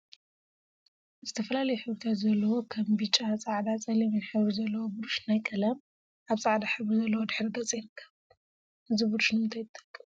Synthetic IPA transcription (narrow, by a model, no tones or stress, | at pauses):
zɨt̪ʰɐfɐlalɐjuħɨβɾɨt̪ʰat̪zɐlːɐwokʰɐmbɨt͡ʃʼasʼaʕd̪at͡sʼɐliβɨnħɨβɾizɐlːɐwobuɾuʃnajkʼɐlɐm | ʔaβsʼaʕd̪aħɨβɾizɐlːɐwod̪ɨħɾɨd̪ɐt͡sʼɐjɾɨkʰːɐβ | ʔɨzibuɾuʃnɨmɨnt̪ʰajt̪ʰʼːɐ̥kʼːɨm